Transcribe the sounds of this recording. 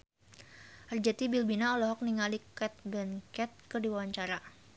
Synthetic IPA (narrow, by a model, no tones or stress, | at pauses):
ərd͡ʒat̪ibilbinaɔlɔɦɔk̚niŋalikɛt̪̚bɛnkɛt̪̚kədiwawaɲt͡ʃaɾa